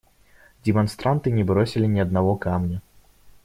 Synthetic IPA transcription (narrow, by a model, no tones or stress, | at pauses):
dʲɛmanst̪ɾant̪ɨnʲɛbɾɔsʲilʲinʲiɐd̪̚navɔkamnʲɐ